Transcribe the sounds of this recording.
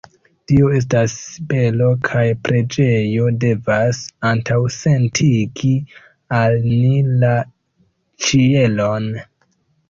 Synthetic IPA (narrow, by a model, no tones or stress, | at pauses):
tio̞e̞s̬tasːibe̞lo̞kʰajpɾʔe̞d͡ʒe̞jo̞de̞vasantawse̞ntʰiɡi | alnila | t͡ʃie̞lo̞n